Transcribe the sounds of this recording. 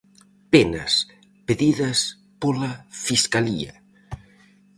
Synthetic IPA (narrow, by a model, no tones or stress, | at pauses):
penɐ̰s | peðiðɐs | polɐfiskaliɐ̰